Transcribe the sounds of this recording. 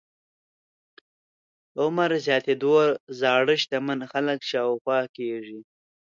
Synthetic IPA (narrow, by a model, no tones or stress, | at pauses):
ʊmaɾzjɑːt̪ed̪oɾzɑːɽəʃt̪amənxaləkʃɑwxwɑkeʐi